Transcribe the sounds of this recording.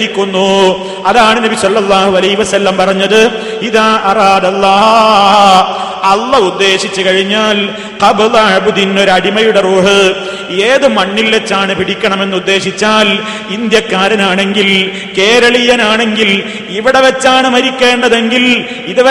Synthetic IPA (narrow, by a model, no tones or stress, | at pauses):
ikʲːunːu | ɐðaːɳɨnɐbisɐlːɐlˠːaːhuɐlɐɦiʋɐsɐlːɐmpɐrɐɲːɐðɨ | iðaʔɐraːd̪ɐlːaː | ɐlːɐud̪ːe̞ːɕit͡ɕːɨkɐɻiɲːaːl | qɐblɐɻbud̪inːo̞ɾɐɽimɐjuɽe̞roːɦɨ | eːðɨmɐɳːilʋet͡ɕːaːɳɨpiɽikʲːɐɳɐme̞nːɨud̪ːe̞ːɕit͡ɕːaːl | ind̪jɐkːaːɾɐnaːɳe̞ŋɡil | ke̞ːɾɐɭijɐnaːɳe̞ŋɡil | iʋiɽe̞ʋɐt͡ɕːaːɳɨmɐɾikʲːe̞ːɳɖɐðe̞ŋɡil | iðɨʋɐ